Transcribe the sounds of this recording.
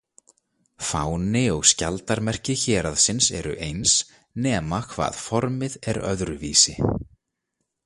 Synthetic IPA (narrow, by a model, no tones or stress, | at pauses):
fa̰wnɪɔɣscalt̪aɾmɛr̥cɪçɛːɾaðsɪnsɛ̰ɾʏ̰ʔejns | nɛːmakʰva̰ːð̥fɔɾmɪðɛɾœ̰ðɾʏviːsɪ